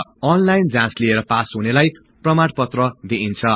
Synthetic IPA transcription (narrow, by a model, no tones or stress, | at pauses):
ʌnlajnd͡zãslieɾʌpasɦunelaj | prʌmaɽpʌt̪rʌd̪iʔint͡sʰʌ